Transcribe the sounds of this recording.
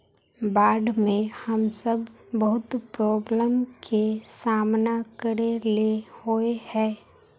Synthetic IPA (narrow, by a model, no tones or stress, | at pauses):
baːɖmẽhəmsəbbəɦʊt̪pɾɔːbləmkʰesaːmnakəɾelehoehɛ̃ː